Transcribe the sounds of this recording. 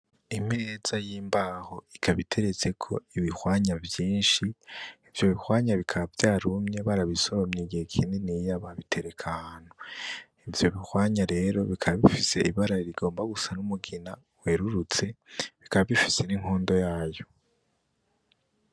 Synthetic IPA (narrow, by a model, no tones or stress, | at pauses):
im̥eːzajiːmbaːho̞ikʰaβitʰe̞ɾet͡se̞kʰo̞iβihwaːɲavjiːnʃiː | vjo̞βihwaːɲaβikʰaβavjaːɾumɲe̞βaɾaβisoβomɲiɡihekʰiːndinijaβaβitʰe̞ɾe̞kʰaaːno | ivjo̞βihwaːɲaɾe̞ɾo̞βikʰaβaβifise̞iβaɾaiɾiɡo̞ːmbaɡusanumuɡina | we̞ɾuɾut͡se̞βikaβaβifi̥seniŋ̥ho̞ːndo̞jaːjo̞